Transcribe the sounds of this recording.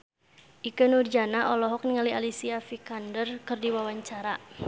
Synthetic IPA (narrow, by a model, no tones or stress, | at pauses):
ʔikənurd͡ʒanaʔɔlɔɦɔk̚niŋalialisiafikandərkɨrdiwawaɲt͡ʃaɾa